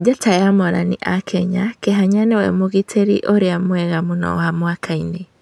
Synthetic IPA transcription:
d͡ʒatajamɔɾa̰niʔakʰɛɲakeɦaɲanewɛmoɣitʰeɾḭʔoɾeamwɛɣamonɔ̰amwakʰaine

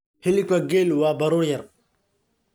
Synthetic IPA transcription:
hilikaɡelwabaɾujaɾ

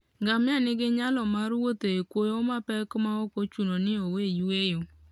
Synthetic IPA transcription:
ŋɡamɪanɪɡɪɲalɔmaɾuwoteekʷojomapɛkʊmaokot͡ʃunonɪowejuejo

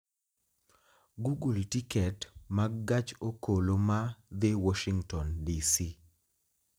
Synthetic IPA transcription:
ɡuɡultikɛtmaɡat͡ʃokolomad̪ɪwɔʃiŋtɔndisi

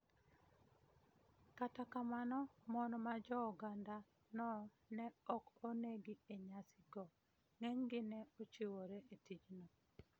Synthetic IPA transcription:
katakamanɔmɔnɔmad͡ʒɔɔɡanda | nɔ | nɛɔkoneɡieɲasɪɡɔ | ŋɛŋɡɪnɛot͡ʃewoɾeʔetit͡ʃnɔ

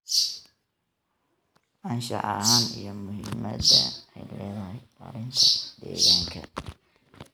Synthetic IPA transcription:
ʔɐnʃɑʕɑɦaːnijɔmʊhɪmɐðɐɛjlɛːðɐɦɛjmɐ̰ɾɪnt̪ʰɐd̪ɛːɣaːŋkʰɐ

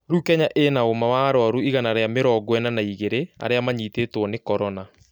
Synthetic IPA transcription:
ɾukɛɲaʔenaomawaɾɔɾuiɣanaɾeameɾɔɡwɛnanaiɣeɾea̰ɾeamaɲiːteːtwɔnekɔɾɔna

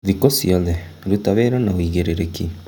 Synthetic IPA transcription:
ðikɔsiɔðɛɾutaβeɾɔnaoiɣeɾeɾeki

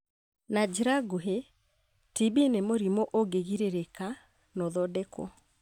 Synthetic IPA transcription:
nad͡ʒiɾaɡuɦe | tibinemoɾimoʔoɡeɣiɾeɾeka | nɔðɔdɛkɔ̰

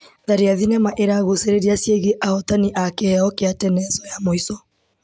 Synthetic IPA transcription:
ðaɾiaðinɛmaʔeɾaɣoseɾeɾiasjeɣeʔahɔtaniʔakehɛɔkeatɛnɛzɔjamoisɔ

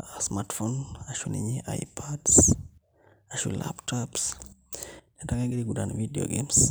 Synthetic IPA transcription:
asmatfonaʃunḭɲiʔa̰jpʰads | aʃṵla̰ptɔps | nɛtaɡaɡiɾiɡudanvidio̰ɡems

